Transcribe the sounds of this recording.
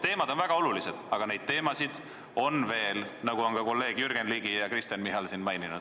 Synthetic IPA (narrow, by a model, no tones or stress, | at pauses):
t̪e̞ːmɑd̪̥o̞nvæɡ̥ɑo̞lulised̪̥ɑɡ̥ɑne̞jd̪̥̚t̪e̞ːmɑsid̪̥ | o̞nve̞ːlnɑɡ̥uo̞nkɑko̞lːe̞ːɡ̥jyrɡ̥enliːɡijɑkrist̪ɑnmiɦɑlsinmɑjninṵd̪̥